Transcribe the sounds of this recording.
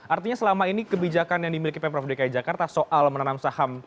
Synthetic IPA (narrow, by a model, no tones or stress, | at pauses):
ʔart̪iɲasəlamainikəbid͡ʒakanjaŋdimilikipɛpɾafdekajad͡ʒakart̪asoʔalmənanamsaham